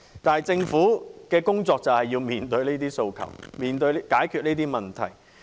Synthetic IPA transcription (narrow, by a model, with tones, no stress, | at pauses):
t̪aː˨nɦɐ˨jt͡sɪ˧ŋfuː˨˥kɛː˧kʊ˥ŋt͡sɔː˧k̚t͡sɐ˨whɐ˨jːiː˧wmiː˨nt̪ɵ˧ɥneː˥t̪iː˥so˧wkʰɐ̰˨˩wmiː˨nt̪ɵ˧ɥkaː˨˥jkʰyː˧t̚neː˥t̪̬iː˥mɐ˨˩nt̪ʰɐ̰˨˩j